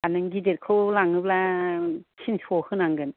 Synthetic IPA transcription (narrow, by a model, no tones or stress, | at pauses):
anɯŋɡidet̚kʰɯwlaŋɯp̚la | kʰinsohɯnaŋɡɯn